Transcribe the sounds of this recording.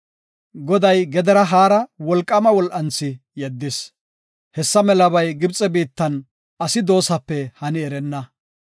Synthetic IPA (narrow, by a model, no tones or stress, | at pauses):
ɡɔd̪ɐjɡɛd̪ɛɾɐɦaːɾɐwɔlkʼːɐmɐwɔlʔɐnt͡sːɪ | jɛd̪ːɪs | hɛsːɐmɛlɐβɐjɡɪbt͡sʼːɛbiːt̪ːɐn | ɐsɪd̪o̞ːsɐpːɛhɐnɪɛɾɛnːɐ